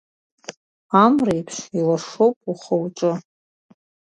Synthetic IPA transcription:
amrajpʰʃilaʂowpʼuχəwʈ͡ʂʼɨ

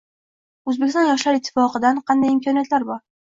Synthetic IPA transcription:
ɵzbekʲɪsɒnjɒʃlaɾɪt̪ʰːɪ̥fɒqɨd̪anqʰɑnd̪ajɪmkʰɒnijat̪laɾbɒɾ

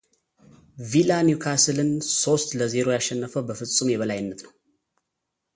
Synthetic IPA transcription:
vilanjukʰasɨlɨnso̞st̪ləzeɾo̞jaʃːɛnːəfəwbəfɨsʼɨmjɛβəlajɪnːət̪nəw

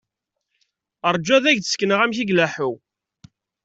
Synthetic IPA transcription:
əɾˤd͡ʒːæðæʝθə̥skːnəʁæmçiɡlæħʊw

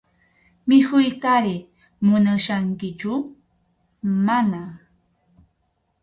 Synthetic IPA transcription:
mɪhʊjkaɾɪ | mʊnaʃaŋkɪt͡ʃʊ | mana

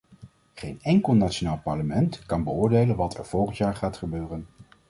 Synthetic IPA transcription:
χejnɛŋkəlˠnaːt͡ʃonaːlˠpɑɹləmɛntkɑnbəʊːɹdejlənʋɑtʰɛ̰ɹv̥ɔlˠχəntjaːɹχaːtχəbøːrən

